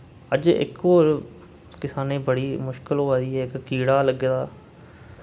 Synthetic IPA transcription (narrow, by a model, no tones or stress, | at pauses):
əd͡ʒɪ̰koːɾ | kɪsaːneːbəɽiːmʊʃkɪlɦoːaːd̪iːɦɛːɪkːiːɽaːləɡeːd̪aː